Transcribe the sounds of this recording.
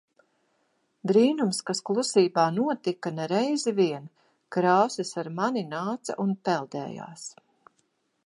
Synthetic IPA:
d̪ɾiːnumskasklˠusiːbaːnuɔt̪ikanɛɾɛjziviɛn | kɾaːsisaɾmaninaːt̪sa̰ʔunpɛlˠd̪ɛ̰ːja̰ːs

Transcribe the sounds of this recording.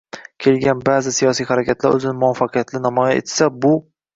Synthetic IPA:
kʲʰe̞lɡʲanbaːzɪsijɒsijχaɾakʲat̪laɾɵ̰zɪnɪmʊafːɑqʰɨjat̪lɪnɒmɒjaḛt̪sabʊ

